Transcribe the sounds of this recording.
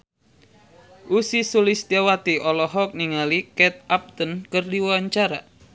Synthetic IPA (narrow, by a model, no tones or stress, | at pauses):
ʔusisulist̪jawat̪iʔɔlɔɦɔk̚niŋalikɛt̪̚ap̚t̪ənkərdiwwaɲt͡ʃaɾa